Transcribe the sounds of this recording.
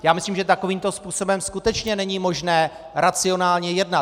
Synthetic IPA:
jaːmɪsliːmʒɛt̪ako̞viːmt̪ospuːso̞bɛmskut̪ɛt͡ʃɲɛnɛɲimoʒnɛː | ɾat͡sɪo̞naːlɲɛjɛdnat̪

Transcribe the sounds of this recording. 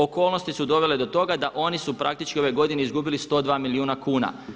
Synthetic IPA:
o̞ko̞ːlno̞st̪isud̪o̞ʋe̞le̞d̪o̞t̪o̞ɡad̪aʔo̞nisupɾak̚t̪it͡ʃkio̞ʋeɡo̞d̪ine̞izɡubilist̪o̞ːd̪ʋaːmiliuːnakuːna̰

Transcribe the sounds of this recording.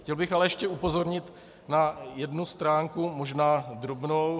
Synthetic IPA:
xcɛlbɪxalɛjɛʃcɛupo̞zo̞ɾɲɪt̪ | najɛdnust̪ɾaːŋkumoʒnaːd̪ɾobnow

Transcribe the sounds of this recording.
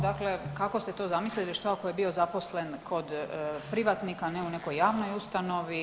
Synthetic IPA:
d̪akle̞kako̞st̪et̪o̞zamisliliʃt̪oako̞jebio̞zapo̞slenkʰo̞d̪pɾiʋat̪nikaneune̞ko̞jːaːʋno̞just̪ano̞ʋi

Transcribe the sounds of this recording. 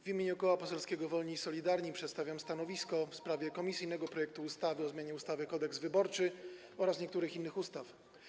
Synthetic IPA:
vʲimʲeɲukɔwapɔsɛlskʲɛɡɔvɔlɲisɔlʲid̪aɾɲipʂɛt̪st̪avʲjamst̪anɔvʲiskɔfspɾavʲjɛkɔmʲisɘjnɛɡɔpɾɔjɛk̚t̪uːst̪avɘɔzmʲeɲɛust̪avɘkɔd̪ɛkzvɘbɔɾt͡ʂɘ | ɔɾasɲɛkt̪uɾɘxinːɘxust̪af

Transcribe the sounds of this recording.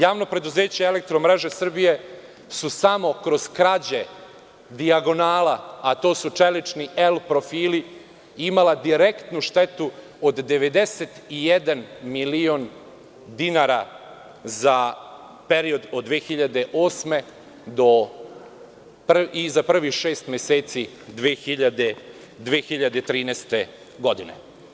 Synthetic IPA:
jaːʋno̞pɾe̞d̪uze̞ːt͡ɕeelek̚t̪ɾomɾe̞ʒe̞sr̩bije̞ | susamo̞kɾo̞z̥kɾad͡ʑe | d̪iaɡo̞naːlaːt̪o̞ːsut͡ʃelit͡ʃnielpɾo̞fiːli | imalad̪iɾe̞kt̪nuʃt̪e̞t̪u | od̪ːeʋe̞d̪e̞set̪ijed̪anmilion | d̪inaɾa | za | peɾio̞d̪od̪ːʋeːxiʎad̪e̞ʔo̞ːsme̞ | d̪o | prizapr̩ʋiʃe̞ːst̪mjeseːt̪si | d̪ʋeːxiʎad̪e | d̪ʋeːxiʎad̪et̪ɾiːnest̪e | ɡo̞d̪inḛ

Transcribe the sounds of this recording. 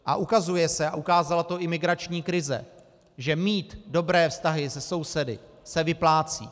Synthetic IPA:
ʔa̰ʔukazujɛsɛaʔukaːzalat̪o̞ʔɪmɪɡɾat͡ʃɲiːkɾɪzɛ̰ | ʒɛmiːt̪do̞bɾɛːfst̪aɦɪsɛso̞wsɛdɪ̰ | sɛvɪplaːt͡sḭː

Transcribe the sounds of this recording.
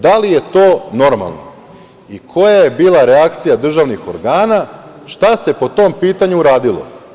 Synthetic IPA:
d̪alije̞t̪o̞ːno̞ɾma̰lˠno̰ | ikʰo̞jajebiːlˠaɾe̞akt̪sijad̪r̩ʒaʋnixoɾɡaːna | ʃt̪ase̞po̞t̪o̞mpiːt̪aɲuːɾaːd̪ilˠo̞̰

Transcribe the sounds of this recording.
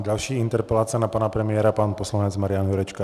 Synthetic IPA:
ɟalʃiːint̪ɛɾpɛlaːt͡sɪanapaːnapɾɛmɪɛːɾapaːnpɔslaɲɛd͡zmaɾɪjanjuɾɛt͡ʃka

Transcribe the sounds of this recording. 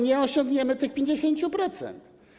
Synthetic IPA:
ɲɛɔɕɔ̃ŋɡɲɛmɘt̪ɘxpʲjeɲd͡ʑeɕeɲt͡ɕupɾɔt̪sɛ̰nt̪

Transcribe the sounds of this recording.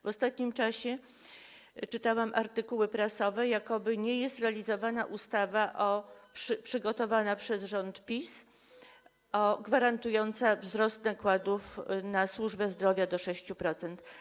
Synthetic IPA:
vɔst̪at̪̚ɲimt͡ʂaɕɛ | t͡ʂɘt̪awamʔaɾt̪ɘkuwɘpɾasɔvɛjakɔbɘɲɛjɛst̪ɾɛalʲizɔvanaʔust̪avaʔɔpʂɘpʂɘɡɔt̪ɔvanapʂɛzʐɔnt̪pʲis | ɔɡvaɾant̪ujɔnt̪savzɾɔst̪nakwad̪ufnaswuʐbɛzd̪ɾɔvʲjad̪ɔʂɛɕt͡ɕupɾɔt̪sɛnt̪

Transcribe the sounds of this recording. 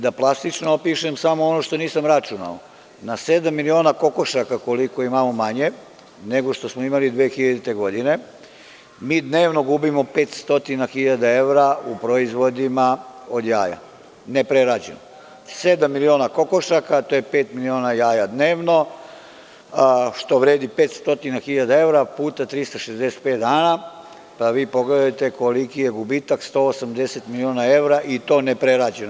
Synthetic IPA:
d̪aplˠast̪it͡ʃnoopiʃemsamoonoʃt̪o̞niːsamɾat͡ʃuna̰o | nased̪amːilio̞nako̞ko̞ʃakakoliko̞imamo̞maɲe̞ | neɡo̞ʃt̪o̞smoimalid̪ʋeːxiʎad̪it̪e̞ɡo̞d̪ine̞ | miːd̪neːʋno̞ɡubimo̞peːt̪st̪o̞t̪inaxiʎad̪ae̞ʋɾaupɾoizʋo̞d̪imao̞d̪ja̰ːja̰ | ne̞pɾeɾad͡ʑḛno | sed̪amːilio̞ːnako̞ko̞ʃakat̪oːjepe̞ːt̪milio̞ːnajaːjad̪ne̞ːʋno̞ | ʃt̪o̞ʋɾeːd̪ipeːt̪st̪o̞t̪inaxiʎad̪ae̞ʋɾapuːt̪at̪ɾist̪aʃezd̪e̞se̥t̪̚pet̪d̪aːna | paʋiːpo̞ɡled̪at̪e̞ko̞likije̞ɡubit̪akst̪o̞ːosamd̪e̞set̪milioːnae̞ʋɾaʔit̪o̞ːne̞pɾeɾad͡ʑeno

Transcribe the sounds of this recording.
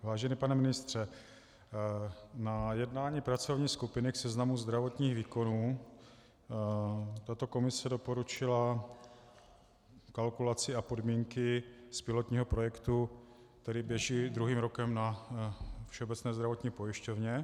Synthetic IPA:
vaːʒɛnipanɛmɪnɪst̪r̝̥ɛ | najɛdnaːɲiːpɾat͡so̞vɲiːskupɪnɪksɛznamuzd̪ɾavo̞t̪ɲiːɣviːko̞nuː | t̪at̪o̞ko̞mɪsɛdo̞po̞ɾut͡ʃɪla | kalkulat͡sɪapo̞dmiːŋkɪspɪlot̪ɲiːɦopɾo̞jɛkt̪u | kt̪ɛɾɪbjɛʒiːd̪ɾuɦiːmɾo̞kɛmna | fʃɛobɛt͡snɛːzd̪ɾavo̞t̪ɲiːpo̞jɪʃcovɲɛ

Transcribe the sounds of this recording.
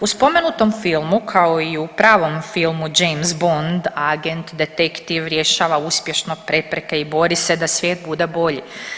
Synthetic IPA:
uspo̞menut̪o̞mfilˠmukʰaoiupɾaːʋo̞mfilˠmud͡ʒejmzbond̪aɡent̪d̪e̞t̪ekt̪iʋɾjeʃaːʋauspje̞ʃno̞pɾe̞pɾekeibo̞ɾise̞d̪asʋjeːt̪̚bud̪ebo̞ʎi

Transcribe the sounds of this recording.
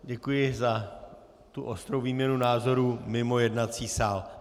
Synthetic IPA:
ɟɛkujɪza | t̪uʔost̪ɾowviːmɲɛnunaːzo̞ɾuːmɪmo̞jɛdnat͡siːsaːl

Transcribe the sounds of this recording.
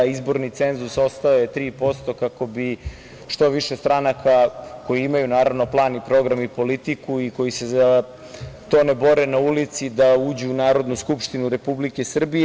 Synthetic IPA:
izbo̞ɾnit̪se̞nzuso̞st̪aojet̪ɾiːpo̞st̪o̞kako̞bi | ʃt̪o̞ʋiʃe̞st̪ɾanakʰako̞jiimajunaːɾaʋno̞plˠaːnipɾo̞ɡɾamipo̞lit̪ikuiko̞jise̞za | t̪o̞ːnebo̞ɾenaulit̪sid̪auːd͡ʑuːnaːɾo̞d̪nuskupʃt̪inuɾe̞publike̞sr̩bije

